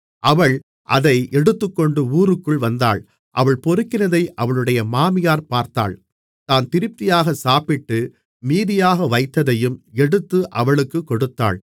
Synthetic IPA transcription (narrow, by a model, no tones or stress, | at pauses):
ʔɐʋɐɭ | ʔɐðɐɪʔɛɽɯt̪ːɯkːɔɳɖɯuːɾɯkːɯɭʋɐnd̪a̰ːɭ | ʔɐʋɐɭpɔɾɯkːɪnɐðɐɪʔɐʋɐɭɯɽɐjɐmaːmɪjaːɾpaːɾt̪a̰ːɭ | t̪aːnt̪ɪɾɯp̚t̪ɪjaːɣɐsaːpɪʈːɯ | miːðɪjaːɣɐʋɐɪt̪ːɐðɐjɯmɛɽɯt̪ːɯʔɐʋɐɭɯkːɯkːɔɽɯt̪ːa̰ːɭ